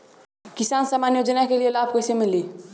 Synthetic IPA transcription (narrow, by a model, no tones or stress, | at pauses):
kisansamanjod͡ʒənakelijelabʱkəjsemili